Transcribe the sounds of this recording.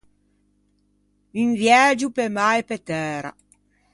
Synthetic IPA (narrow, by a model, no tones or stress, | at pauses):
invjɛːd͡ʒupemajpet̪ɛːɾa̰